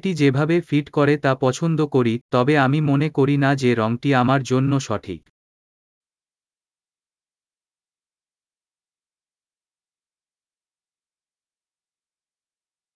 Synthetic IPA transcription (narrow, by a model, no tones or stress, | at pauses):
ʈid͡ʑebʱabefiʈkɔɾet̪apɔt͡ɕʰond̪okoɾit̪ɔbeamimonekoɾinad͡ʑeɾɔŋʈiamaɾd͡ʑonːoʃɔʈʰḭk